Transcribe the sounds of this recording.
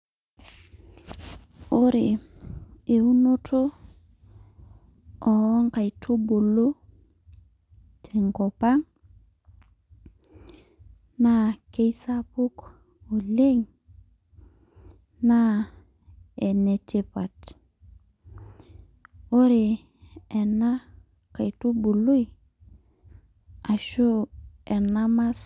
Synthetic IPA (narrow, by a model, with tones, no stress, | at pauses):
o˦ɾe˨ | e˨u˦no˦tʰo˦ | ɔ˨ɔ˦ŋka˨i˨tʰo˦bo˨lo˦ | tʰe˨ŋkɔ˨pa˦ŋ | na˦ke˦jsa˦pu˦k | o˨le˦ŋ | na˦ | e˨ne˨tʰi˨pa˨t | o˦ɾe˨ | e˨na˦ | ka˨jtu˦bu˨lu˦i˨ | a˨ʃu˦e˨na˦ma˦s